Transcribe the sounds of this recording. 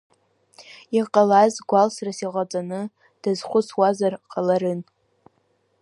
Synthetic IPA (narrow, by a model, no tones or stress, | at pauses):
iqʼalazɡʷalsrasiʁʷat͡sʼanɨ | d̥azχʷʊt͡sʰwazarqʰʼalaɾɨn